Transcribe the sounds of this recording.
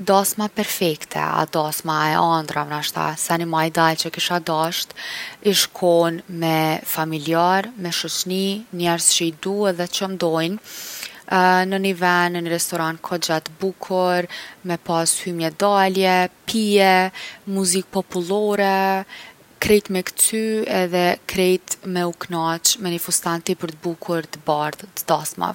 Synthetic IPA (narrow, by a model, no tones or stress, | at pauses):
d̪asmapɛɾfɛkt̪ʰɛ̰a̰d̪asmaɛʔand̪ɾavnaʃt̪a̰sanimajd̪alt͡ʃəkiʃad̪aʃt̪iʃkʰɔnmɛfamiliaɾmɛʃɔt͡ʃninɛɾsʃid̪uɛðɛt͡ʃəmd̪ɔjn | nənivɛnəniɾɛst̪ɔɾankʰɔd͡ʒat̪əbukʰuɾmɛpashymjɛd̪aljɛpʰiɛmuzik̚pɔpulˠɔɾɛ | kɾɛjt̪mɛkt̪ʰyɛðɛkɾɛjt̪mɛuknat͡ʃmɛnifust̪ant̪ipəɾt̪əbukʰuɾt̪əbaɾðt̪əd̪asma̰v